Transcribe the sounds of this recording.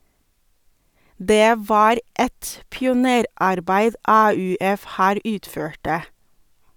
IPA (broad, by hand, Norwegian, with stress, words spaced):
ˈdeː ˈʋɑːɾ ˈɛt pɪʊˈneːɾɑɾˌbæɪd ˈɑːʉːˌɛf ˈhæːɾ ˈʉːtˌføːʈə